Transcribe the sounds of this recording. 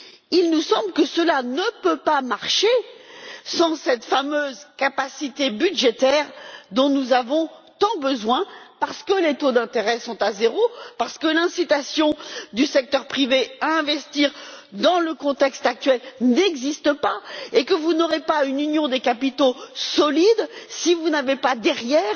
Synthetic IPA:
ilnusɑ̃blkəsəlanəpøpamaʁʃe | sɑ̃sɛt̪famøzkapasit̪ebyd̪ʒet̪ɛʁd̪ɔ̃nuzavɔ̃t̪ɑ̃bəzwɛ̃paʁsə̥kəlet̪od̪ɛ̃t̪eʁɛsɔ̃t̪azeʁopaʁsə̥kəlɛ̃sit̪asjɔ̃d̪ysɛk̚t̪œʁpχiveaɛ̃vɛst̪iːʁd̪ɑ̃ləkɔ̃t̪ɛkst̪ak̚t̪ɥɛlnɛɡzist̪əpaekəvunɔʁepaynynjɔ̃d̪ekapit̪osɔlid̪sivunavepad̪ɛʁjɛːʁ

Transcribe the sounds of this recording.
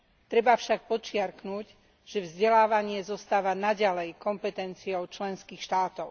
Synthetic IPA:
t̪ɾɛbafʃak̚pɔt͡ʃɪaɾknuc | ʒ̥ɛvzɟɛlaːʋaɲɪɛzɔst̪aːʋanaɟalɛjkɔmpɛt̪ɛnt͡siɔʊt͡ʃlɛnskiːxʃt̪aːt̪ɔʊ

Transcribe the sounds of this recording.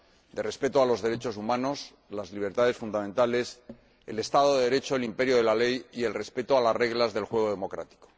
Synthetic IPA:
d̪ere̞spe̞t̪oalo̞zðe̞ɾe̞t͡ʃo̞sumãno̞s | lazliβ̞e̞ɾt̪aðe̞sfund̪amẽnt̪ale̞s | e̞̰le̞st̪aðoðeðeɾe̞t͡ʃoelimpe̞ɾjo̞ðe̞lale̞jie̞lre̞spe̞t̪oalasre̞ɣlazðe̞lxwe̞ɣo̞ðe̞mo̞kɾa̰t̪i̥ko

